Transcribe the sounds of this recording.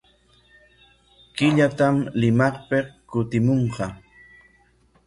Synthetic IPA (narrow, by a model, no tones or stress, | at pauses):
kɪʎat̪amlɪmɑχpeqkʊt̪ɪmoɴqɑ